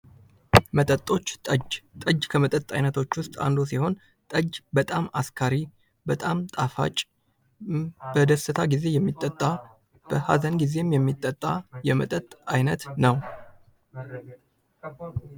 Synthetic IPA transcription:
mət̪ʼət̪ʼːo̞t͡ʃːt̪ʼəd͡ʒt̪ʼəd͡ʒkʰəmət̪ʼət̪ʼa̰jnət̪ʰo̞t͡ʃːwʊst̪ʼa̰nd̪os̬iho̞n | t̪ʼəd͡ʒbət̪ʼamaskʰaɾi | bət̪ʼamt̪ʼafa̰t͡ʃʼ | bəd̪əsɨt̪ʰaɡize̞jɛmːit̪ʼːət̪ʼːa | b̥əha̰zənɡize̞mjɛmːit̪ʼːət̪ʼːajɛmə̰t̪ʼət̪ʼajnət̪nəw

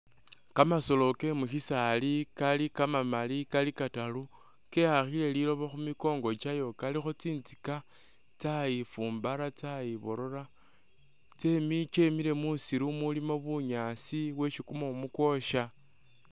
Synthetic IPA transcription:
kamaso̞lo̞ke̞muʃisalikalikamamalikalikatalu | ke̞haxile̞lilo̞βoxumiko̞ːŋɡo̞t͡ʃajo̞kalixot͡siːnzika | t͡sajifuːmbaɾat͡sajiβo̞ɾo̞ɾa | t͡se̞mit͡ʃe̞mile̞musiɾumulimoβuɲasiwe̞ʃikumoumukwo̞ʃa

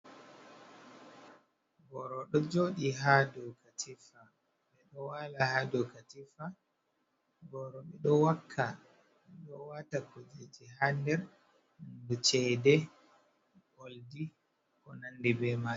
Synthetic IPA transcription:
ɡɔɾɔɗɔd͡ʒoɗiɦadɔkatifa | ɓɛɗɔwalahadɔkatifa | ɡɔɾɔɓɛɗɔwakʰːa | ɗɔwatakɔd͡ʒed͡ʒiɦandɛɾ | mndut͡ʃɛdɛ | ɡoldi | kɔnandibɛma

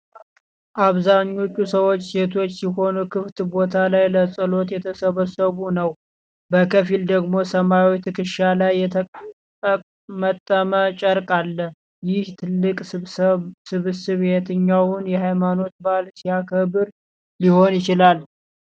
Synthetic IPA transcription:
ʔaβzaɲːo̞t͡ʃʼːusəwo̞t͡ʃːse̞t̪ʰo̞t͡ʃːsiho̞nukʰɨft̪bo̞t̪ʰalajləsʼɨlo̞t̪jɛt̪ʰəsəβəsəβunəw | bəkʰəfild̪əɡmo̞səmawit̪ʰɨkɨʃalajːɛt̪ʰʼ | ə | mət̪ʼːəmət͡ʃʼəɾkʼalːəh | jɪht̪ʰɨlːɨkʼ | sɨβɨsɨβhet̪ɨɲːawʊnjɛhajmano̞t̪̚balsijakʰəβɨɾ | liho̞njɪt͡ʃɪlal

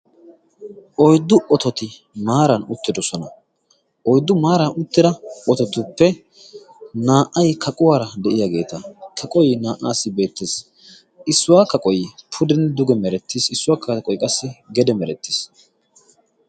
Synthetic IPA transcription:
ʔɔjd̪ːʊʔɔt̪ɔt̪ɪ | maːɾɐnʊt̪ːɪd̪ɔsɔnɐ | ʔɔjd̪ːʊmaːɾɐnʊt̪ːɪd̪ɐʔɔt̪ɔt̪ʊpːɛ | naːʔɐjkʰɐkʼʊwaːɾɐd̪ɛʔɪjaɡe̞ːt̪ɐkʰɐkʼɔjnaːʔa̰ːsːɪbe̞ːt̪ːeːs | ʔɪsːʊwaːkɐkʼɔjpʰʊd̪ɛnd̪ʊɡɛmɛɾɛt̪ːisɪsːʊwaːkʰːɐkʼɔjkʼɐsːɪɡɛd̪ɛmɛɾɛt̪ːi̥s

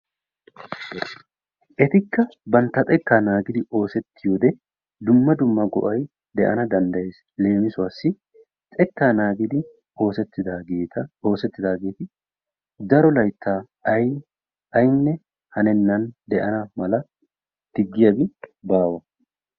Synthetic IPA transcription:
ʔɛt̪ɪkːɐbɐnt̪ːɐt̪ʼɛkːaːnaːɡɪd̪ɪʔo̞ːsɛt̪ːɪjoːd̪ɛ | d̪ʊmːɐd̪ʊmːɐɡɔ̰ʔɐj | d̪ɛʔɐ̰nɐd̪ɐnd̪ɐjes | le̞ːmɪsʊaːsːɪ | t͡sʼɛkːaːnaːɡɪd̪ɪ | o̞ːsɛt̪ːɪd̪aeːt̪ɐo̞ːsɛt̪ːɪd̪aːɡe̞ːt̪ɪ | d̪ɐɾɔlɐjt̪ːaː | ɐj | ɐjnːɛ | hɐnɛnːɐnd̪ɛʔɐnɐmɐlɐ | d̪̥ɪɡːɪjɐbɪbaːwɐ

